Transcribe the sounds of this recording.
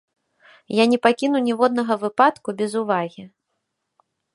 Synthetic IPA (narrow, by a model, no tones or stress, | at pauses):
janʲɛpakʲinuwnʲɛvɔd̪̚nɐɣɐvɨpat̪kubʲɛzuvaɣʲi